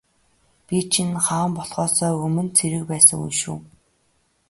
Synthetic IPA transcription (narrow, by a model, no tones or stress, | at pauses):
pʲit͡ɕʰinχăːmpɔɮʁɔːsɔːɵmɘ̆nt͡sʰeɾɘ̆kpæːsə̰̆ŋṵnʃṵː